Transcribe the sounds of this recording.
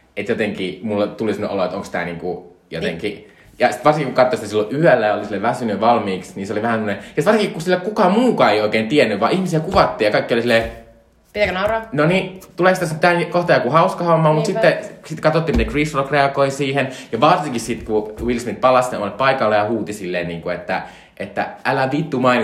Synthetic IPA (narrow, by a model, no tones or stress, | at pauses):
et̪jot̪eŋkimulːɑt̪ulisemneʔo̰loet̪o̰ŋkst̪æ̰ˑnḭːŋku | jo̰t̪ḛŋki | jɑsit̪ʋɑrsiŋkikukɑt̪ːosit̪æsilːoʔyælːæjɑolisilːeʋæsynyʋɑlmiːksniːseoliʋæhænsemːŏnejɑt̪ʋɑrsiŋkikkusilːækukɑmuːkɑːeioikeːnt̪iɛnːyʋʋɑ̰ːˑʔihmisiækuʋɑt̪ːiːjɑkɑikːiolisilːe | pit̪ækønɑuroːnonit̪uleˑksit̪æsint̪ænkoht̪ɑjɑkuhɑuskɑhomːɑːmut̪sit̪ːesit̪kɑt̪ot̪ːiːmit̪ekrisrokreɑkoisiːhenjɑʋɑrsiŋkissit̪kuwilsmit̪̚pɑlɑsneo̰mɑleppɑikɑlːejɑhuːt̪isilːeːnnḭːŋkuet̪ːæ̰ | ʔet̪ːæ̰ʔælæʋit̪ːumɑin